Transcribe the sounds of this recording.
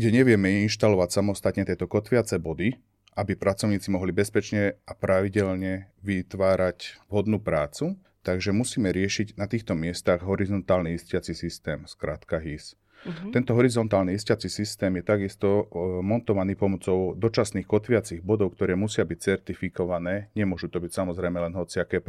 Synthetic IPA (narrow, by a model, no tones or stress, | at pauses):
ɡɟɛɲɛʋɪɛmɛinʃt̪alɔʋacsamɔst̪at̪ɲɛt̪ɪɛt̪ɔkɔt̪ʋɪat͡sɛbɔd̪i | ʔabipɾʔat͡sɔʊɲiːt͡simɔɦlibɛspɛt͡ʃɲɛʔapɾaʋiɟɛʎɲɛʋit̪ʋaːɾacʋɦɔd̪nuːpɾaːt͡su | t̪aɡʒɛmusiːmɛɾɪɛʃiɟnat̪iːxt̪ɔmɪɛst̪aɣɦɔɾizɔnt̪aːlniiscɪat͡sisist̪ɛːmskɾaːt̪kaɦis | t̪ɛnt̪ɔɦɔɾizɔnt̪aːlniiscat͡sisist̪ɛːmjɛt̪aɡist̪ɔmɔnt̪ɔʋaniːpɔmɔt͡sɔʊd̪ɔt͡ʃasniːxkɔt̪ʋɪat͡siːɣbɔd̪ɔʊkt̪ɔɾɛːmusɪabic̚t͡sɛɾt̪ifikɔʋanɛːɲɛmʊɔʒut̪ɔbicsamɔzɾɛjmɛlɛnɦɔt͡siakɛːp